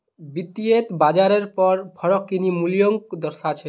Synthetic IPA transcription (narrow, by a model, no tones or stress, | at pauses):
bit̪iet̪bad͡ʒaɾeɾpɔɾpʰɔɾɔkːinimulijɔŋkd̪ɔɾsat͡ʃʰɛ